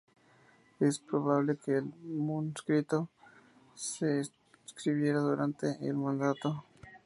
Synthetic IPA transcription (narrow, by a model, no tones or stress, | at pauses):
espɾoβ̞aβle̞keːlmunskɾit̪o̞ | se | skɾiβ̞je̞ɾaðuɾant̪e̞ʔelmãnd̪at̪o